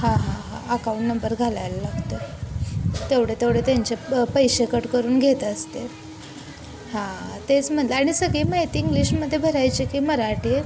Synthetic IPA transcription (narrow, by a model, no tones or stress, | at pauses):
hãɦãɦãəkauɳʈnəmbəɾɡʱalajləlaɡt̪ə | t̪eʋɽ̤et̪eʋɽet̪jaɲt͡ɕepəjɕekəʈkəɾuːnɡʱet̪əst̪e | hãt̪et͡sm̤əlaɽ̃isəɡiːmət̪iŋɡliɕməd̪ʱːjebʱəɾajt͡ɕikiːməɾaʈiː